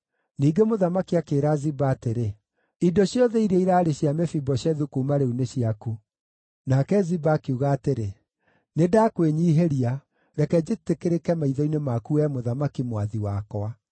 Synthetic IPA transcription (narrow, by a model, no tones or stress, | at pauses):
niːɡemoðamakiakeːɾazibaːteɾe | idoɕjɔðɛiɾɛiɾaːɾeɕjamɛfibɔɕjɛðukumaɾeuneɕiaku | nakɛzibakeuɣaːteɾe | nedaːkweɲiːɦeɾia | ɾɛkɛd͡ʑetekeɾekɛmaiðɔinemakuɛmoðamakimwaðiwakɔa